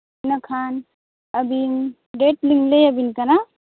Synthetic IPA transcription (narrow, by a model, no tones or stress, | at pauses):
nakʰan | ɐbin | ɖeʈliŋlejəbinkana